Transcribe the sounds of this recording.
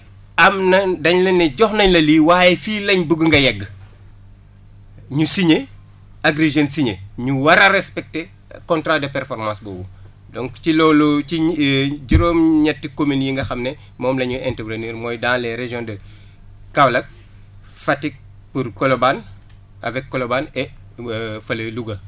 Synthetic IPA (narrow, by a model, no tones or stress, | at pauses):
ɐmnɐdɐɲlɐɲːɐɟɔxnɐɲlɐliːwaːjɛfiːlɐɲbuɡəŋɡɐjɛɡː | ɲusiɲe | aɡɾeʒɐnsiɲeɲuwɐɾɐɾɛspɛk̚te | kɔntɾaːdɐpɛɾfɔɾmãːsbɔwu | dɔŋkcilɔːluiɟiɾoːmɲɛtːikominjiŋɡɐxɐmnɛ | mɔːmlɐɲuʔɛntəbɾeniːɾmɔːjdaːnlɛɾeʒjɔ̃ndɐ | kɐwlɐk̚ | fɐtːik̚ | puɾkɔloban | ɐ̰vɛkːɔlobanɛ | fɐlɐluɡɐ